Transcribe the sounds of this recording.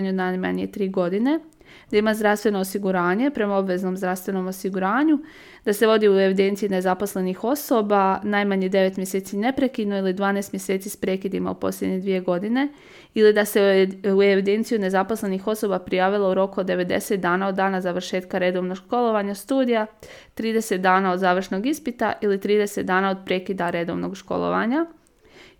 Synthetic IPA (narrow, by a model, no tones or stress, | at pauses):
ɲunajma̰ɲijet̪ɾiːɡo̞d̪ine̞ | d̪̥aimazd̪ɾafst̪ʋe̞no̞ːsiɡuɾaːɲe̞pɾe̞mao̞bʋe̞zno̞mzd̪ɾafst̪ʋe̞no̞mosiɡuɾaːɲu | d̪̥ase̞ʋo̞d̪iue̞ʋid̪e̞nt̪ijine̞zapo̞sle̞nixo̞so̞ːbanajmaɲed̪e̞ʋe̞t̪mje̞seːt̪sine̞pɾe̞kid̪noilid̪ʋaːnest̪mje̞se̞ːt̪siːspɾeːkid̪ima̰ṵpo̞̰sljʲe̞d̪ɲed̪ʋije̞ɡo̞d̪ine̞ | ilid̪ase̞ue̞ʋid̪e̞nt̪sijune̞zaposle̞nixo̞so̞bapɾijaːʋilˠauɾo̞kud̪ːe̞ʋe̞d̪e̞̰set̪̚d̪aːnaod̪ːaːnazaʋr̩ʃe̞ːt̪kaɾe̞d̪o̞ʋnoɡʃko̞lˠo̞ʋaɲast̪uːd̪ija | t̪ɾiːd̪e̞se̞t̪̚d̪aːnao̞d̪zaːʋr̩ʃno̞ɡispit̪a̰ʔilit̪ɾiːd̪e̞set̪d̪aːnao̞d̪̚pɾe̞ːkid̪aɾe̞d̪o̞ʋnoɡʃko̞̰lˠo̰ʋa̰ɲa